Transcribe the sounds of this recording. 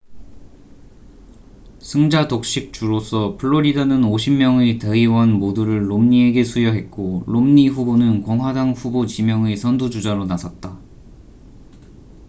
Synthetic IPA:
sʰɯŋd͡ʑadok̚ɕ͈ik̚t͡ɕ͈uɾosʰʌpʰɯɭːoɾidʌnɯnoɕʰimːjʌŋete̞iwʌnmoduɾɯɭːomɲie̞ɡe̞sʰujʌɦe̞t̚k͈oɭomɲiɸubonɯnkʌŋɦwadaŋɸubot͡ɕimjʌŋesʰʌndud͡ʑud͡ʑaɾonasʰat̚t͈a

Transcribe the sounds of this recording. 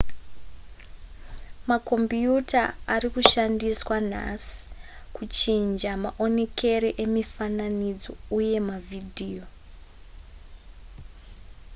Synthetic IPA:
mako̞mbjutaːrikuʃandiswan̤a̰si̥ | kut͡ʃind͡ʒamaʔo̞ne̞kʰe̞ɾeʔemifananid͡zo̞uje̞mavʱidʱiːjo̞

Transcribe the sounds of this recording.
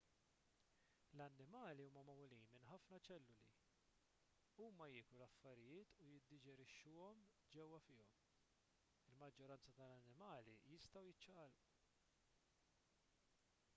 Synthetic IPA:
lɐnːɪmɐːliuːmɐmɐmuliːnmɪnħɐfnɐt͡ʃɛlːʊlḭ | uːmɐjɪːkɾulɐfːɐɾɪjɪːt̪ujɪd̪ːɪd͡ʒɛɾɪʃːʊːɔm | d͡ʒɛwːɐfɪːɔm | ɪlmɐd͡ʒːɔɾɐnt͡sɐt̪ɐlɐnːɪmɐːlijɪst̪ɐwjɪt͡ʃːɐːlu

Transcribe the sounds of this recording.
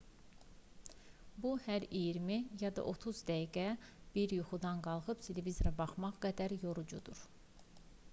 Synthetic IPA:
buhæɾijiɾmijɑd̪ɑ̰ʔo̞t̪ʰuzd̪æiɡæb̥iɾjuχud̪ɑnɡɑlˠʁɯpt̪ʰelevizoɾɑbɑχmɑʁɡæd̪æɾjoɾud͡ʒud̪uɾ

